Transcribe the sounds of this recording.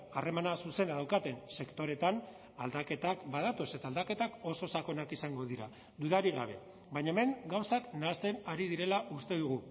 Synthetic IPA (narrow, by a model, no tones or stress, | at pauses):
are̞manasuse̞naðawkat̪e̞nse̞kt̪o̞ɾe̞t̪an | ald̪ake̞t̪akbaðat̪o̞se̞t̪aːld̪ake̞t̪ako̞so̞sako̞nakisaŋɡo̞ðiɾa̰ | d̪uðaɾiɣa̰β̞e̞̰ | βajɲaeme̞ŋɡawsaknaːst̪e̞naɾiðiɾe̞laʔust̪e̞ðuɣ̞u